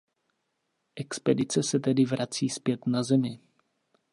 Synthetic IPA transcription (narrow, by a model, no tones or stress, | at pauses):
ʔɛkspɛdɪt͡sɛsɛt̪ɛdɪvɾat͡siːspjɛt̪nazɛmɪ